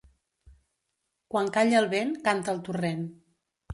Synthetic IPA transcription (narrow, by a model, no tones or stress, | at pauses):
kwaŋkaʎəlˠβenkant̪əlˠt̪uren